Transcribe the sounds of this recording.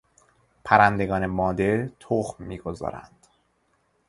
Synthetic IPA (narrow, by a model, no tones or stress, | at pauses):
pʰæɾænd̪e̞ɡɒːnemɒːd̪eɾt̪ʰoχmːiːɡo̞zɒ̰ːɾæ̰nd̪̥